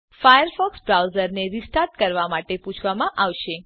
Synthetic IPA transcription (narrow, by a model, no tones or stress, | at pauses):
fajəɾfɔksbɾawzəɾneɾisʈaɾʈkəɾʋamaʈepũt͡ʃʰʋamãʔaʋʃe